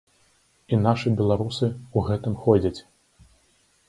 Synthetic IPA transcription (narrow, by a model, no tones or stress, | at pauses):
inaʂɨbʲɛlˠaɾusɨuɣɛt̪ɨmxɔd͡zʲɐt͡sʲ